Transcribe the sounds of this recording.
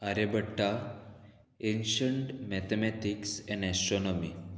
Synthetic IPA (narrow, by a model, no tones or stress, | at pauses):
aɾebəʈːa | enɕəɳʈmɛt̪emɛʈiksɛ̃ɳɛsɔnɔmi